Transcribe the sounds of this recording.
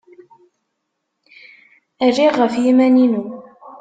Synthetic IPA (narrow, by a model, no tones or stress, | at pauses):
ærːiʁːəfjimæninu